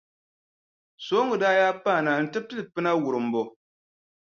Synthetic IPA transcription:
so˨˦ŋɡɨ˨daː˦jaː˦paː˦˨na˨n̩˨tɨ˦b̚tɨ˦lɨ˨pɨ˦na˦wu˨ɾɨ˨m̩˨bo˨

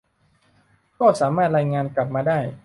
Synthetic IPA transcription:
kɔː˥˩saː˩˦maː˥˩t̪̚ɾaː˧jŋaː˧nkla˨˩p̚maː˧daː˥˩j

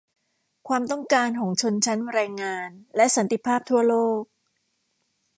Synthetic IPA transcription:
kʰwaː˧mt̪ɔ˥˩ŋkaː˧nkʰɔː˩˦ŋt͡ɕʰo˧nt͡ɕʰa˦˥nɾaː˧jŋaː˧nlɛ˦˥ʔsa˩˦nt̪i˧˩pʰaː˥˩p̚t̪ʰu˥˩ɐloː˥˩k̚

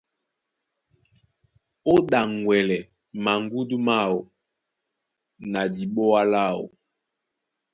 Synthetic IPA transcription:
o˦ɗa˨ŋwɛ˨lɛ˨ | ma˨ŋ˦ɡu˦du˦ma˦˨wo˨ | na˨di˨ɓɔ˦a˦la˦˨wo̰˨

